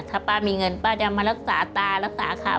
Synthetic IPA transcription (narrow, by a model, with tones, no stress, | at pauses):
t̪ʰa˧˩paː˧˩miː˧ŋɤ˧npaː˧˩t͡ɕa˧maː˧ɾa˦˥k̚sa̰ː˩˦t̪aː˧ɾa˦˥sa̰ː˩˦kʰa̰ː˨˦